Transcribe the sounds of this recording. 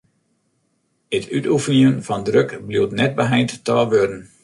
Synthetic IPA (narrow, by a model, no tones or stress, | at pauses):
ətʰytufəniənfɔndrøkbluwtnɛt̚bəɦɛjnttəɔʋødən̩